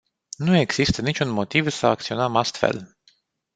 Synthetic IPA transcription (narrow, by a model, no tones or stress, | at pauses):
nue̞ɡz̥ist̪ənit͡ʃʲunmo̞t̪ivsəakt̪sio̞nəmast̪fḛl